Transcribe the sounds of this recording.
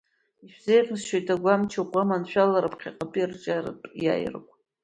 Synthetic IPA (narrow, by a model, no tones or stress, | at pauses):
iʃᶣzejχɨsʃejtʰʼaɡʷamt͡ʃʰaqʷʼamanʃᶣalaɾapʰqʲʰiqʼapʼirt͡ʃʼarɨ̰pʼja̰j̰rkʷʼ